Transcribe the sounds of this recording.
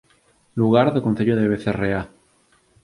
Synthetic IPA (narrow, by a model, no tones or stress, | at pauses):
luɣ̞aɾðekonθeʎoðeβ̞eθerea